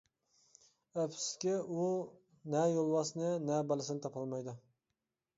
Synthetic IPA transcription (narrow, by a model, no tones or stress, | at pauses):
æpʰskʲɪu | nɛjolˠwɑsnɨnɛbælˠɪsɪnɪt̪ʰɑpʰɑlˠmɑjd̪ʊ